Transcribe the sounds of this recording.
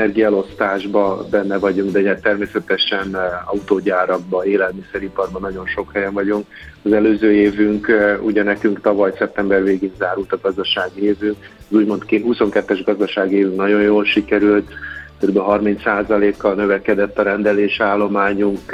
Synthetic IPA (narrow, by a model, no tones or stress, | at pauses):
ɛɛrɡijlo̞st̪aːʒbɒbɛnːɛvɒɟuŋkd̪ɛɲɛt̪ːɛrmeːsɛt̪ɛʃɛnɒut̪oːɟaːɾɒɡ̚bɒeːlɛlmisɛɾipɒrbɒnɒɟo̞nʃo̞khɛjɛɱvɒɟuŋk | ɒzɛløːzøːeːvyŋkuɟɛnɛkyŋkt̪ɒvɒjsɛp̚t̪ɛmbɛrveːɡiɲzaːɾult̪ɒɡɒzd̪ɒʃaːɡeːvøː | zuːɟmo̞nt̪kɦuso̞ŋkɛt̪ːɛʒɡɒzd̪ɒʃaːɡieːvyŋknɒɟo̞jjoːlʃikɛɾylt̪køɾybɛlɦɒrmint̪saːzɒleːkːɒlnøvɛkɛd̪ɛt̪ːɒɾɛnd̪ɛleːʃaːlːo̞maːɲuŋk